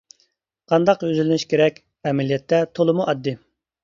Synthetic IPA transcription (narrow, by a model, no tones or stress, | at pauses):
qʰɑnd̪ɑqøzylɪnɪʃkʲʰeɾɛkʲ | ɛmɛlijɛt̪ʰːɛt̪ʰolˠɨmuʔɑd̪ːɨ